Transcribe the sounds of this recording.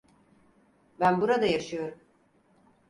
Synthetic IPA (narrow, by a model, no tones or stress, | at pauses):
bænbuɾad̪ajaʃɯjo̞ɾum